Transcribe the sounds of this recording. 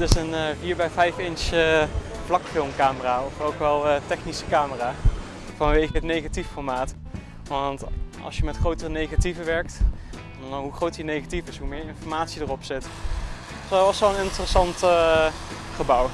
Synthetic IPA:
tɪsənəviːɹbɛjvɛjfɪnsə | flɑkfɪlˠmkaːməraːɔfowkʋɛlˠətɛχnisə̥kaːməraː | vɑnʋejχəɦətnejχatifɔɹmaːt | ʋɑntɑ̰lˠsjəmɛtχrowtərənejχativəʋɛɹk̚t | nɦuχrowtjənejχatifɪsɦumɪːɹɪnfɔɹmaːtsidərɔpsɪt | ʋɑsʋɛlˠənɪntərəsɑnt | χəbʌw

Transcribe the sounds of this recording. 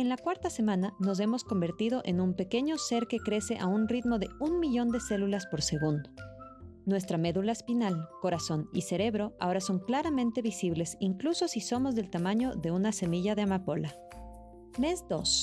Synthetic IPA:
e̞nlakwaɾt̪ase̞mãnano̞s̬e̞mo̞sko̞mbe̞ɾt̪ið̞o̞ʔenũmpe̞ke̞ɲo̞se̞ɾke̞kɾe̞se̞ʔaunrit̪mo̞ðe̞unmiʝo̞nd̪e̞se̞lulaspo̞ɾse̞ɣund̪o̥nwe̞s̬t̪ɾame̞ðulaespinalko̞ɾaso̞nḭse̞ɾe̞βɾo̞a̰o̞ɾaso̞ŋklaɾamẽnt̪e̞βisiβle̞siŋkluso̞siso̞mo̞zðe̞lt̪amãɲoðe̞unase̞miʝaðeamapo̞la | me̞zd̪o̞s

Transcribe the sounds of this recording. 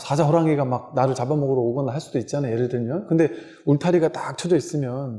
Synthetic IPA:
sʰad͡ʑaɦʰoɾaŋeɡamak̚naɾɯɭt͡ɕabamʌɡɯɾooɡʌnaɦaɭs͈udoit̚t͡ɕ͈anajeɾɯɭtɯɭmjʌnkɯnde̞ | uɭtʰaɾiɡat͈ak̚t͡ɕʰʌd͡ʑʌis͈ɯmjʌn

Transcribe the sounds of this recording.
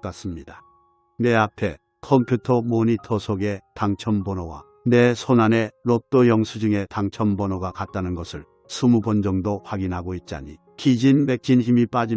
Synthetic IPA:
k͈as͈ɯmɲida | ne̞apʰe̞ | kʰʌmpʰjutʰʌmoɲitʰʌsʰoɡe̞taŋt͡ɕʰʌmbʌnowa̰ | ne̞sʰonane̞ɾot͈ojʌŋsʰud͡ʑuŋe̞taŋt͡ɕʰʌmbʌnoɡakat̚t͈anɯnɡʌsʰɯɭ | sʰumubʌnd͡ʑʌŋdoɸwaɡinɦaɡoit̚t͡ɕ͈a̰ɲi | kid͡ʑinme̞k̚t͡ɕ͈ʰinçimip͈ad͡ʑi

